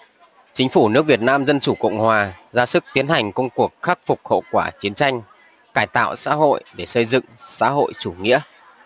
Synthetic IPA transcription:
t͡ɕï˨˦ŋ̟fu˧˩nɨ˦˥ək̚vi˨˩ət̚naː˧mzə˧nt͡ɕu˧˩kə̰˧˨wŋ͡mhwaː˨˩zaː˧sɨ˦˥k̚t̪i˨˦ənha˨˩jŋ̟kə˧wŋ͡mku˨˩ək̚xa˦˥k̚fʊ˨˩k͡p̚hə̰˧˨wkwaː˧˩t͡ɕi˨˦ənt͡ɕa˧jŋ̟ | kaː˧˩jt̪a̰ː˧˨wsa̰ː˧˥ɦo̰˧˨jɗe˧˩sə˧jzɨ̰˧˨ŋsa̰ː˧˥ɦo̰˧˨jt͡ɕu˧˩ŋḭ˧˥ə

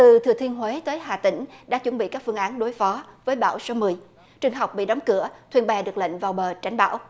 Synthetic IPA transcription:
t̪ɨ˨˩t̪ʰɨ˨ət̪ʰi˧ənɦwe˨˦t̪əː˨˦jɦaː˨˩t̪ï˧˩ŋ̟ɗa̰ː˧˥t͡ɕwə˧˩nɓḭ˧˨kaː˦˥kfɨ˧əŋʔaː˨˦nɗo˨˦jfɔ˨˦vəː˨˦jɓa̰ː˧˥wso˨˦mɨ˨˩əj | t͡ɕɨ˨˩əŋɦa˨˩wk͡p̚ɓḭ˧˨ɗɔ˨˦wŋ͡mkɨ̰˧˩ət̪ʰi˧ənɓɛ˨˩ɗɨ˨˩ək̚lə̰˧˨ŋ̟vaː˨˩wɓəː˨˩t͡ɕa˨˦jŋ̟ɓa̰ː˧˥w

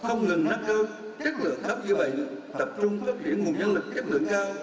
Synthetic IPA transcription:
xə˧wŋ͡mŋɨ˨˩ŋna˦˧˥k̚kəː˧ | t͡ɕe˦˥t̚lɨ̰˧˨əŋɗə˦˥p̚zɨ̰˧˨ɓə̰˧˨jt̪ə˨˩p̚t͡ɕʊ˧ŋ͡mfəː˦˥p̚t͡ɕ̪ʰi˧˥ənŋwənɲə˧nlɨ˨˩k̚t͡ɕi˦˥t̚lɨ̰˧˨əŋzaː˧w

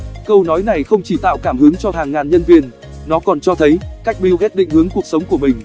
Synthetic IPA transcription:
kə˧wnɔ˨˦jna˨˩jxə˧wŋ͡mt͡ɕi˧˩t̪a̰ː˧˨wkaː˧˩mhɨ˨˦əŋt͡ɕɔ˧ɦaː˨˩ŋːaː˨˩nɲə˧nvi˧ən | nɔ˨˦kɔ˨˩nt͡ɕɔ˧t̪ʰə˨˦jka˦˥jk̚ɓi˧wɦɛ˦˥t̚ɗḭ̈˧˨ŋ̟hɨ˨˦əŋku˨˩ək̚sə˨˦wŋ͡mku˧˩əmï˨˩ŋ̟

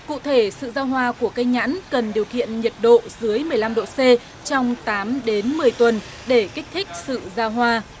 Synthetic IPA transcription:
kṵ˧˨t̪ʰe˧˩sɨ̰˧˨zaː˧wɦwaː˧ku˧˩əkə˧jɲa̰ː˧˥nkə˨˩nɗi˨˩əwkḭ˧˨ənɲə˨˩t̚ɗo̰˧˨zɨ˨˦əjmɨ˨˩əjla˧mɗo̰˧˨se˧ | t͡ɕɔ˧wŋ͡mt̪aː˨˦mɗe˨˦nmɨ˨˩əjt̪wə˨˩n | ɗe˧˩ka˦˥k̟̚t̪ʰï˦˥k̟̚sɨ̰˧˨zaː˧wɦwaː˧

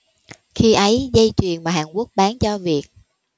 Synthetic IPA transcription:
xi˧ʔə˨˦jzə˧jt͡ɕwḭ˨˩ənmaː˨˩ɦaː˨˩nku˦˥ək̚ɓaː˨˦nt͡ɕɔ˧vi˨˩ək̚

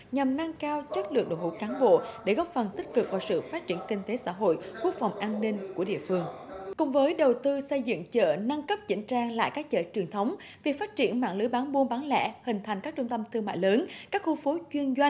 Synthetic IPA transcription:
ɲa˨˩mna˧ŋkaː˧wt͡ɕə˦˥t̚lɨ̰˧˨əŋ̚ɗo̰˧˨jhṵ˧˥˩kaː˨˦nɓo̰˧˨ɗe˧˩ɣɔ˦˥p̚fə˨˩nt̪i˦˥k̟̚kɨ˨˩k̚vaː˨˩sɨ̰˧˨faː˦˥t̚t͡ɕi˧˩ənkï˧ŋ̟t̪e˨˦sa̰ː˧˥ɦo̰˧˨jku˦˥ək̚fa˨˩wŋ͡mʔaː˧nːï˧ŋ̟ku˧˩əɗḭ˧˨əfɨ˧əŋkʊ̰˧˨ŋ͡mvəː˨˦jɗə˨˩wt̪ɨ˧sə˧jzɨ̰˧˨ŋt͡ɕə̰ː˧˩na˧ŋkə˦˥p̚t͡ɕï˧˥ŋ̟t͡ɕaː˧ŋla̰ː˧˨jkaː˦˥k̚t͡ɕə̰ː˧˨˩t͡ɕwi˨˩ənt̪ʰə˨˦wŋ͡m | vi˨˩faː˦˥t̚t͡ɕi˧˩ənma̰ː˧˨ŋlɨ˨˦jɓaː˨˦nɓu˧nɓa˨˦nlɛ̰˧˥hï˨˩ŋ̟t̪ʰa˨˩ŋ̟kaː˦˥k̚t͡ɕʊ˧ŋ͡mt̪ə˧mt̪ʰɨ˧ŋma̰ː˧˨jləː˨˦nkaː˦˥k̚xu˧˩fo˨˦t͡ɕwi˧ənzwa˧jŋ

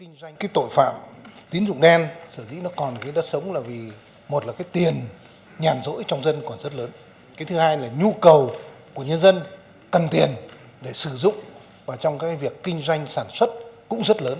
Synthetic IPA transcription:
kï˧ŋ̟zwa˧jŋ̟kaː˨˦jt̪o̰˧˨jfa̰ː˧˨mt̪i˨˦ənzʊ̰˧˨ŋ͡mɗɛ˧nsəː˧˩zḭ˧˥nɔ˨˦kɔ˨˩nkaː˨˦jɗaː˦˥t̚sə˨˦wŋ͡mlaː˨˩vi˨˩ | mo˨˩t̚laː˨˩kaː˨˦jt̪i˨˩ən | ɲaː˨˩nzo̰˧˥jt͡ɕɔ˧wŋ͡mzə˧nkɔ˨˩nzə˦˥t̚ləː˨˦n | kaː˨˦jt̪ʰɨ˨˦haː˧jlaː˨˩ɲu˧kə˨˩wku˧˩əɲə˧nzə˧n | kə˨˩nt̪i˨˩ən | ɗe˧˩sɨ˧˩zʊ̰˧˨ŋ͡m | vaː˨˩t͡ɕɔ˧wŋ͡mkaː˨˦jvi˨˩əkːï˧ŋ̟zwa˧jŋ̟saː˧˩nswə˦˥t̚kʊ̰˧˥ŋ͡mzə˦˥t̚ləː˨˦n

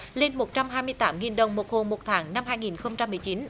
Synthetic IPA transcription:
le˧nmo˨˩t̚t͡ɕa˧mɦaː˧jmɨ˧əjt̪aː˨˦mŋi˨˩nɗə˨˩wŋ͡mmo˨˩t̚ho˧˩mo˨˩t̚t̪ʰaː˨˦ŋna˧mɦaː˧jŋi˨˩nxə˧wŋ͡mt͡ɕa˧mːɨ˨˩əjt͡ɕi˨˦n

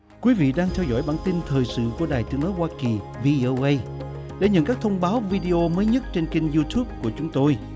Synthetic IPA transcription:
kwi˨˦vḭ˧˨ɗaː˧ŋt̪ʰɛ˧wzɔ̰˧˩˨jɓaː˧˩nt̪i˧nt̪ʰəː˨˩jsɨ̰˧˨ku˧˩əɗaː˨˩jt̪ɨ˨˦əŋnɔ˨˦jhwaː˧ki˨˩ | vi˧ʔo˧wʔə˧j | ɗḛ˧˩ɲə̰˧˨nkaː˦˥k̚t̪ʰə˧wŋ͡mɓaː˨˦wvi˧ɗi˧ʔo˧məː˨˦jɲə˦˥t̚t͡ɕe˧nki˧ŋzu˧t̪ʰu˦˥p̚ku˧˩ət͡ɕʊ˨˦ŋ͡mt̪o˧j

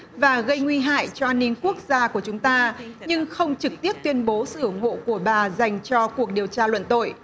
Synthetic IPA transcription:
vaː˨˩ɣə˧jŋwi˧ɦa̰ː˧˨jt͡ɕɔ˧ʔaː˧nːï˧ŋku˦˥ək̚zaː˧ku˧˩ət͡ɕʊ˨˦ŋ͡mt̪aː˧ɲɨ˧ŋxə˧wŋ͡mt͡ɕɨ˨˩k̚t̪i˦˥əp̚t̪wi˧ənɓo˨˦sɨ̰˧˨ʔʊ˧˩ŋ͡mho̰˧˨ku˧˩əɓaː˨˩za˨˩jŋ̟t͡ɕɔ˧ku˨˩ək̚ɗi˨˩əwt͡ɕaː˧lwə̰˧˨nt̪o̰˧˨j

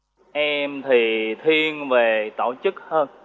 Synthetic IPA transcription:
ʔɛ˧mt̪ʰi˨˩t̪ʰi˧ənve˨˩t̪o̰˧˩t͡ɕɨ˦˥k̚həː˧n

